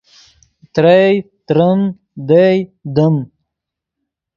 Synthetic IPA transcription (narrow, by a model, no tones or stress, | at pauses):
t̪ɾejt̪ɾəm | d̪ejd̪əm